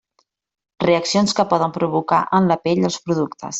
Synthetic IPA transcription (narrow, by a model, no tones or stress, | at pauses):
reəksionskəpɔðəmpɾuβ̞uka̰ʔənləpɛʎəlˠspɾuðukt̪ʰə̰s